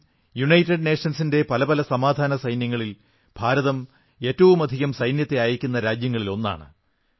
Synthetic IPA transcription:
juɳɐjtːɐɖneːʂɐnsinde̞pɐlɐbɐlɐsɐmaːd̪ʱaːnɐsɐjnjɐŋːɐɭil | b̥ʱaːɾɐðɐm | e̞ːtːɐʋumɐd̪ʱiɣɐmsɐjnjɐt̪ːe̞aːjiɾikʲːunːɐɾaːd͡ʑjɐŋːɐɭilo̞nːa̰ːɳɨ

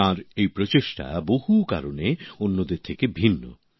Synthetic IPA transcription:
ãɾejpɾot͡ɕeʃʈa̰boɦuka̰ɾoneonːod̪eɾt̪ʰekebʱinːo̰

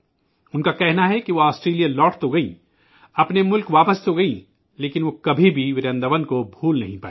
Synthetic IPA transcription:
ʊnkakɛɦnaɦɛkiʋoaːsʈɾeːlijalɔːʈt̪oɡɐĩ | ɐpnemʊlkʋaːpəst̪oɡɐĩ | leːkɪnʋokɐbʱibʱiʋɪɾə̃nd̪əʋənkobʱuːlnɐɦĩpaːe

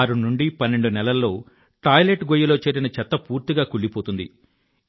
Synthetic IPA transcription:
aːɾunuɳɖipɐnːe̞ɳɖunɛlɐlːo̞ː | ʈaːjleʈɡojɐloːt͡ʃe̞ːɾinɐt͡ʃɛt̪ːɐpuːɾt̪iɡaːkuɭːipoːt̪und̪ḭ

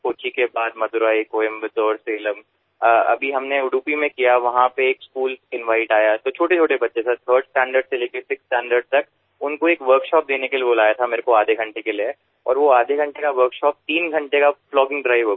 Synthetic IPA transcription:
koːt͡ʃikebaːd̪mɐt̪ʊɾaːikoːɪmbɪt̪ɔːɾseːləmː | ɐ̰bʱiɦɐmneʊɖuːpimẽkijaʋɐɦãpeeːkskuːlsɪ̃nʋaːɪʈaːjat̪ot͡ʃʰoːʈet͡ʃʰoːʈebɐtːʃeset̪ʰəːɾɖsʈɛ̃ːɳɖəɾɖseleːkʰesɪksʈɛ̃ːɳɖəɾɖ̚t̪ɐk̚ | ʊnkoeːkʋəɾkʃɔːp̚d̪eːnekelieboːlaːjat̪ʰameːɾekoaːd̪ʱeɡʱɐ̃ɳʈekelie | ɔ̰ːɾʋoaːd̪ʱeɡʱɐ̃ɳʈekaʋəɾkʃɔːp̚t̪iːnɡʱɐ̃ɳʈekaflɔːɡɪ̃ŋɡɖɾaːɪʋə

